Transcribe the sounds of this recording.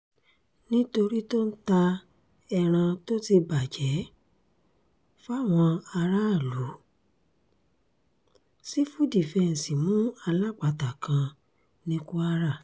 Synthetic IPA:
nĩ˦to˧ɾi˦to˦n̩˦ta˧ | ɛ˧ɾ̃ã˧to˦ti˧ba˨d͡ʒɛ˨˦ | fa˦˨w̃ɔ̃˧a˧ɾa˦˨lu˨˦ | si˦fu˦di˨fɛ̃˧˨n̩˨si˨mũ˨˦a˧la˦k͡pa˨ta˨kʰã˧ | nĩ˧˦ku˦a˧ɾa˦˨

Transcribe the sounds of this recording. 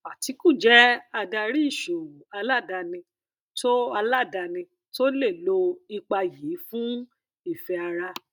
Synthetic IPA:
a˨ti˨˧˦kũ˦˨d͡ʒɛ˦a˧da˧ɾi˦i˦˨ʃo˨a˧la˦˨da˧nĩ˧ | to˦a˧la˦˨da˧nĩ˧ | to˦le˦˨lo˧i˧k͡pa˧ji˨˦fũ˦ | i˦˨fɛ˧a˧ɾa˧

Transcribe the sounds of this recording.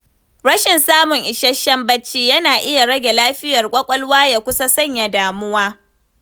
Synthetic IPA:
ɽɐ˦ʃɪ˨nsaː˦mʊ˨ŋʔɪ˨ʃɐ˦ʃːɐ˦mbɐ˦t͡ʃːiː˦jɐ˦naː˨ʔɪ˦ja˨ɽɐ˦ɡʲe˨laː˦ɸɪ˦jɐ˨rkʷʼɐ˦kʷʼɐ˦lwaː˦ja˨kʷʊ˦sa˦sɐ˦˨ɲja˨daː˨mʊ˦waː˦

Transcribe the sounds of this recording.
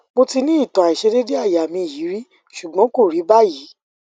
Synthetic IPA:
mo˧ti˧nĩ˦i˦˨tɔ̃˨a˨i˨ʃɛ˨˧de˦de˦a˦˨ja˨mĩ˧˨ji˨˦ɾi˦ | ʃu˨ɡ͡bɔ̃˨˦ko˦˨ɾi˨˦ba˦ji˨˦

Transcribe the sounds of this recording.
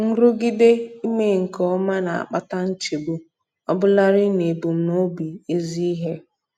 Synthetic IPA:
n̩˦ɾʊ˦ɡi˦de˦i˦me˦ŋ̩˨kɔ˦ma˦na˨a̰˨k͡pa˦ta˦n̩˦t͡ʃi˨bu˨ | ɔ˦bʊ˦la˦ɾɪ˦ne˨bu˨m̩˦no˦bi˨e˦zi˦i˦ɦe˦

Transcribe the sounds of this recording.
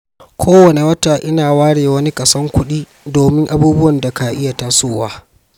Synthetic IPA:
kʷʰoː˦wɐ˨ne˨wɐ˦taː˨ʔɪ˦naː˨waː˦ɽeː˨wɐ˦ni˦kɐ˨sɐ˦ŋkʷʊ˦ɗiː˦ | doː˨mɪ˦ŋʔa˦buː˦bʊ˦wɐ˨nda˨ka˨ʔɪ˦ja˨ta˦soː˦waː˦

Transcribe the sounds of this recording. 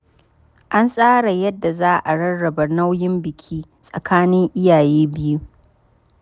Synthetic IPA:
ʔa˦nsʼaː˦ɽa˨jɐ˦dːa˨zaː˦ʔa˨ɽɐ˦nɽɐ˨ba˨na˦wjɪ˦mbɪ˨kʲʰiː˦ | sʼɐ˨kʰaː˦nɪ˦ŋʔɪ˦jaː˨jeː˦bɪ˦ju˦

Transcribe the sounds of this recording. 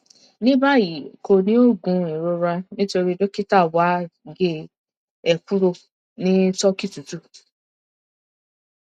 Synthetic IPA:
nĩ˦ba˦˨ji˨ko˧nĩ˦o˦˨ɡũ˨˧i˨ɾo˧ɾa˧nĩ˦to˧ɾi˦do˦ki˦ta˦˨wa˨˦ɡe˦ | ɛ˨ku˦ɾo˧ | nĩ˦tɔ˦ki˦˨tu˨tu˦˨

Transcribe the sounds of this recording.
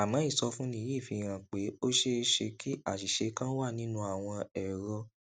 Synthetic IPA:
a˨mã˨˦i˦˨sɔ˧fũ˦nĩ˦i˦˨fi˧˨ɾ̃ã˨˧˨k͡pe˨˦o˦ʃe˦ʃe˧ki˦a̰˦˨ʃi˨ʃe˨˧kã˦wa˦˨nĩ˨˦nũ˦a˨w̃ɔ̃˧ɛ˨ɾɔ˧

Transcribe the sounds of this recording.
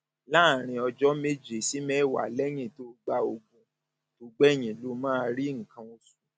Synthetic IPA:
la˦˨ɾ̃ĩ˧ɔ˧d͡ʒɔ˦me˦d͡ʒe˨si˨˦mɛ˦˨wa̰˨lɛ˦j̃ĩ˦˨to˦ɡ͡ba˧o˧ɡũ˧ | to˧˦ɡ͡bɛ˦˨j̃ĩ˨lo˨˦mãː˦˧ɾi˦ŋ̩˨kã˧o˧su̥˨

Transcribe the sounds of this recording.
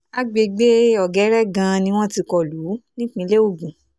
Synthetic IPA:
a˦ɡ͡be˧˨ɡ͡be˦ɔ˨ɡɛ˨˦ɾɛ˦ɡã˧nĩ˧w̃ɔ̃˦ti˧kɔ˦˨lu˨˦nĩ˦k͡pĩ˧˦le˦o˦˨ɡũ˨

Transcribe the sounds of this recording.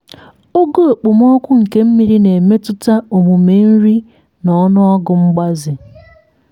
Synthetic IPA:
o˦ɡo˦o˨k͡pʊ˨m˦ɔ˦kʷʊ˦ŋ̩˨ke˦m̩˦mi˨ɾi˦ne˨me˦tʊ˦ta˦o˨ɦu˨me˦n̩˦ɾi˦ | nɔ˨˦nʊ˦ɔ˦ɡʊ˨ŋ͡m̩˦ɡ͡ba˦zɪ˨

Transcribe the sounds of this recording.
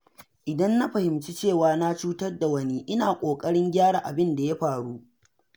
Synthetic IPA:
ʔɪ˨dɐ˦nːa˦ɸɐ˨hɪ˨mt͡ʃi˦t͡ʃeː˦˨waː˨na˦t͡ʃuː˦tɐ˦rda˨wɐ˦ni˦ʔɪ˦naː˨kʷʼoː˨kʼɐ˦ɽɪ˦ŋɡʲaː˦ɾaː˨ʔa˨bɪ˦nda˨ja˦ɸaː˨ɽu˦ʔ

